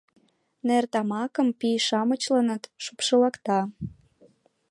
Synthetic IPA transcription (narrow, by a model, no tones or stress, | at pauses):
nert̪ɑmɑkə̆mpiʃɑmət͡ɕlənə̆t̪ʃupʃəlɑkt̪ɑ